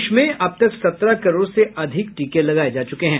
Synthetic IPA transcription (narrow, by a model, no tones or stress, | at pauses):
ʃmẽʔɐb̚t̪ɐksɐt̪ɾakɐɾoːɾseʔɐd̪ʱɪkʈiːkelɐɡaːed͡ʒaːt͡ʃʊkeɦɛ̃ː